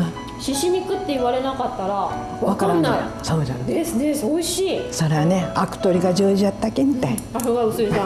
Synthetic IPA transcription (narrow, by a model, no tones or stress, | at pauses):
ɕiɕiɲ̟ikɯ̟t̪ːe̞iβaɾe̞nakat̪ːaɾa | βaakanːaisoːaɾesɨd̪esoiɕiːso̞ɾe̞βaneakɯ̟̥t̪o̞ɾʲiɡad͡ʑɯːʑiat̪ːakemit̪ai | aɾoɡaɯ̟sɨiã